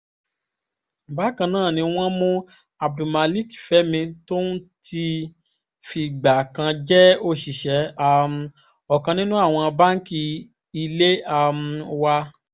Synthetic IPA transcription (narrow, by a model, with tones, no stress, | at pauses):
m̩˨ba˨˦kã˧nãː˦˨nĩ˧w̃ɔ̃˦mũ˦ | a˨b̚du˨ma˨˧li˦˨ki˨fɛ˨˦mĩ˧to˦n̩˦ti˧ | fi˧˨ɡ͡ba˨kã˧d͡ʒɛ˦o˧˨ʃi˨ʃɛ˨˦a˧m̩˧ | ɔ˨kã˧nĩ˦nũ˦a˦˨w̃ɔ̃˧ba˦ŋ̩˦ki˧ | i˧le˦a˧m̩˧wa˧